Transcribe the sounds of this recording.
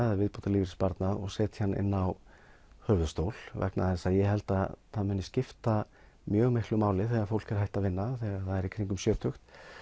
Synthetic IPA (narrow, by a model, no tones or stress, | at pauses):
ðavɪðpowt̪aliːvɾispaɾt̪naðɔ̰ɣsɛːt̪çhanːɪ̰nːaw | hœːvʏðst̪owl̥vɛ̰knʔaðθɛsːajɛɦɛlt̪aðθaðmʏːnːɪscɪft̪a | mjœːɣmehklʏmaːwlɪθɛɣaɾfowl̥kɛɾ̥ajht̪aðvɪnːaθɛɣaɾθaðɛɾikʰɾiŋkʏmsjœːt̪ʰʏxt̪